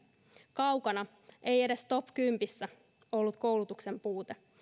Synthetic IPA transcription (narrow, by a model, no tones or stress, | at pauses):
kɑwkɑnɑ | ʔejede̞st̪o̞pkympisːæ | o̞lːut̪kowlut̪ukse̞mpuːt̪e